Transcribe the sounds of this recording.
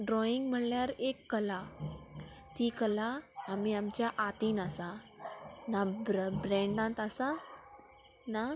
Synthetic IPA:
ɖɾɔiŋɡm̤əɽljaɾekːəla | t̪ikəlaːmiːamt͡ɕjaʔat̪iːnasa | nabbɾɛ̃ɳɖãnt̪asa | na

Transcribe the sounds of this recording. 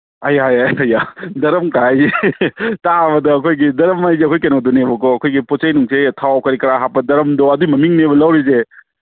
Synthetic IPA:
ɐjajɐjadɐɾɐmkaajzetabɐdɐːkʰojɡidɐɾɐmajzeɐkʰojkenowdonebɐkɔɐkʰojɡiposɐjnuŋsetʰawkɐɾikɐɾaɦapːɐdɐɾɐmdoɐduimɐmiŋnebɐlɐwɾize

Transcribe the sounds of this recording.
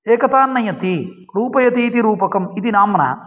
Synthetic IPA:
eːkɐt̪aːnːɐjɐt̪i | ɾuːpɐjɐt̪iːt̪iɾuːpɐkɐmit̪inaːmɐnɐ̰

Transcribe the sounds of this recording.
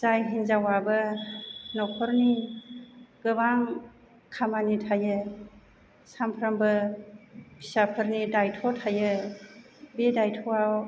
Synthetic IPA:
zajɦinzawabɯ | nɔkʰɔɾni | ɡ̥ɯbaŋ | kʰamanitʰajɯ | sampʰɾambɯ | pʰi̥sapʰɯɾnidajtʰɔtʰajɯ | bedajtʰɔaw

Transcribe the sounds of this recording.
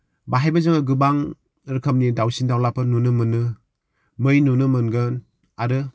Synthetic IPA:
baɦajbazɯŋaɡɯbaŋ | ɾɯkʰɐm̚nidawsindawlapɯnunɯmɯnːɯ | mɯjnunɯmɯnɡɯn | aɾɯ

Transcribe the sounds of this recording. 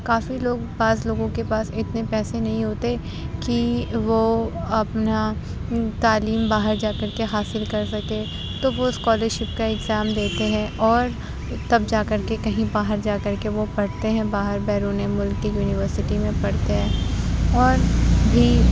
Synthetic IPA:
kaːfiloːɡbaːsloːɡõkepaːsɪt̪nepɛːsenɐɦĩɦoːt̪e | kiʋoɐpna | t̪aːliːmbaːɦəɾd͡ʒaːkɐɾkeɦaːsɪlkɐɾsɐke | t̪oʋoskɔːləɾʃɪpkaɪɡzaːmd̪eːt̪eɦɛ̃ʔɔːɾ | t̪ɐb̚d͡ʒaːkɐɾkekɐɦĩbaːɦəɾd͡ʒaːkɐɾkeʋopɐɽt̪eɦɛ̃baːɦəɾbɛːɾuːnemʊlkːijuːnɪʋəɾsɪʈimẽpɐɽt̪eɦɛ̃ːɔːɾbʱi

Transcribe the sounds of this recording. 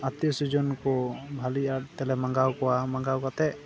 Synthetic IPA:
at̪isud͡ʒɔnkɔbʱaliat̪ɛlɛmaŋɡawkɔwamaŋɡawkat̪ɛʔ

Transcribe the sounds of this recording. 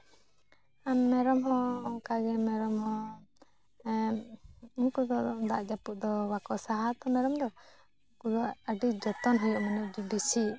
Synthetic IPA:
amːɛɾɔmɦɔ̃kaɡɛmɛɾɔmhɔ | ɛ | ŋkud̪ɔɔd̪aʔd͡ʒapuʔd̪ɔwakɔʔsaɦat̪ɔmɛɾɔmd̪ɔ | kud̪ɔəɖid͡ʒɔt̪ɔnɦɔjɔʔmanɛd͡ʒɔbisi

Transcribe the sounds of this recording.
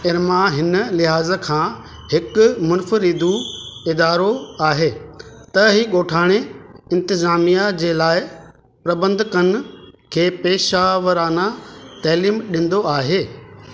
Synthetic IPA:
ɪɾmãɦɪnə̆lɪɦaːzə̆kʰãː | ɦɪkʊmʊnfəɾɪd̪uɪd̪aːɾoaːɦeː | t̪ɐɦiɠoːʈʰaːɽ̃eɪ̃nt̪ɪzaːmijad͡ʑeːlaːɪ | pɾɐbə̃nd̪ʱkənkʰeːpeːʃaːʋəɾaːnat̪ɐːliːmɗɪ̃ːnd̪oaːɦeː

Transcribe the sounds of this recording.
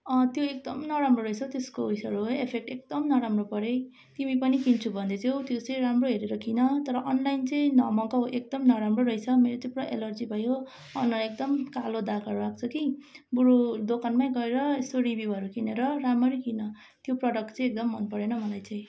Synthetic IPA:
ʌt̪joek̚d̪ʌmnʌɾamroɾʌjt͡sʰʌt̪eskoisʌɾooepʰek̚ʈek̚d̪ʌmnʌɾamropʌɾe | t̪imipʌnikint͡sʰubʱʌnd̪et͡sʰjewt̪jot͡sʌj̃ɾamroɦeɾeɾʌkʰinʌt̪ʌɾʌʔʌnlajnt͡sʌj̃nʌmʌkʌɦoʔek̚d̪ʌmnʌɾamroɾʌijt͡sʰʌmeɾot͡sʌĩpuɽɾʌʔḛlʌrd͡zibʱʌjɦo | ʌ̰nʌek̚d̪ʌmkalod̪akʰʌɾuak̚t͡sʰʌkibuɾud̪okʰanmajɡʌeɾʌsoɾibjiɦʌɾukineɾʌɾamʌɾikinʌ | t̪joprʌɽʌk̚ʈt͡sʌj̃ek̚d̪ʌmːʌnpʌɾenʌmʌlajt͡sʌj̃

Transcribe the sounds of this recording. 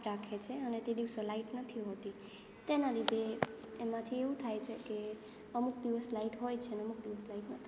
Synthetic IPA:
ɾakʰet͡ʃʰeənet̪ed̪iʋsolaiʈnət̪ʰiɦot̪i | t̪enaɾid̪eːmãt̪ʰieʋũt̪ʰajt͡ʃʰeke | əmukd̪iʋəslaiʈɦojt͡ʃʰenəmukd̪iʋəslaiʈnət̪ʰi

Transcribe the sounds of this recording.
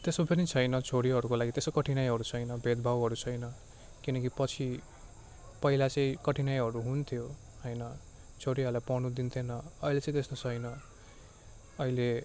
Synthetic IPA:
t̪esopenit͡sʰʌjnʌt͡sʰoɽiɦʌɾukolaɡit̪esokʌʈʰinajɦʌɾut͡sʰʌjnʌbʱed̪̚bʱawɦʌɾut͡sʰʌjnʌ | kinʌkipʌt͡sʰi | pʌilat͡sʌ̃ĩkʌʈʰinajɦʌɾuɦunt̪ʰjo | ʌjnʌ | t͡sʰoɽiɦʌɾulajpʌnud̪int̪ʰenʌʌilet͡sʌ̃ĩt̪est̪ot͡sʰʌjnʌ | ʌile

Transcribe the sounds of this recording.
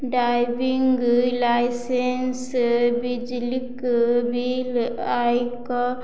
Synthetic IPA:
ɖajbiŋɡlajsensbid͡ʒlikbilajka

